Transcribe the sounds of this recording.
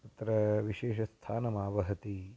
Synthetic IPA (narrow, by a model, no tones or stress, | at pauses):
ɐt̪ɾɐʋiʃeːʃɐst̪ʰaːnɐmaːʋɐɦɐt̪i